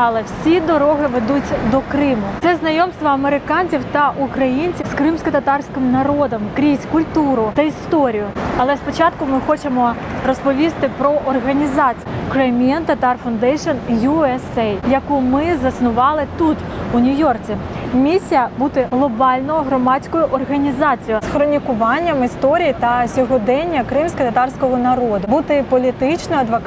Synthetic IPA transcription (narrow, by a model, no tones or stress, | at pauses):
ɐlˠɛwsʲid̪ɔɾɔɦɪʋed̪utʲd̪ɔkɾɪmʊt̪sɛznɐjɔmst̪ʋɔɐmeɾɪkɑnʲt͡sʲiwt̪ɐʔukɾɐjinʲt͡sʲiwskɾɪmsʲkɔt̪ɐt̪ɑrsʲkʲɪmnɐɾɔd̪ɔmkɾʲisʲkʊlʲt̪uɾʊt̪ɐist̪ɔɾʲijʊɐlˠɛspɔt͡ʃɑt̪kʊmɪxɔt͡ʃemɔrɔspɔʋʲist̪ɪpɾɔʔɔrɦɐnʲizɑt͡sʲijjkɾemʲiɛnt̪ɐt̪ɑrfʊnd̪ɛjʃɔnjuɛsɛjjɐkumɪzɐsnʊʋɑlˠɪt̪ut̪unʲʊjɔrt͡sʲimʲisʲːijɐbut̪ɪɦlˠɔbɑlʲnɔɔɦɾɔmɑt͡sʲkɔjʊʔɔrɦɐnʲizɑt͡sʲijʊsxɾɔnʲikʊʋɑnʲːɐmɪst̪ɔɾʲijit̪ɐsʲɔɦɔd̪ɛnʲːɐkɾɪmsʲkɐt̪ɐt̪ɑrsʲkɔɦɔnɐɾɔd̪ʊbut̪ɪpɔlʲit̪ɪt͡ʃnɔɐd̪ʋɔk